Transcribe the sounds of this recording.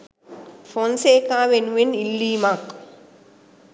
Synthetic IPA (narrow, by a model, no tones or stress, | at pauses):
fonseːkaːʋenuʋenilːiːmak